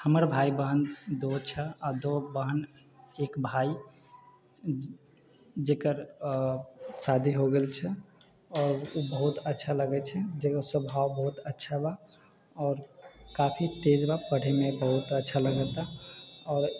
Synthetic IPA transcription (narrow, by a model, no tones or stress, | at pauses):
həməɾbʱaibəɦənd̪ot͡ʃʰɛad̪obəɦən | ekbʱai | d͡ʒekəɾ | sad̪ʱiɦoɡelt͡ʃʰɛ | ɔːɾubəɦut̪ətːʃʰaləɡɛt͡ʃʰɛd͡ʒekəsəbʱawbəɦut̪ətːʃʰaba | ɔːɾkapʰit̪ed͡ʒbapəɽ̤emebəɦut̪ətːʃʰaləɡət̪aɔːɾ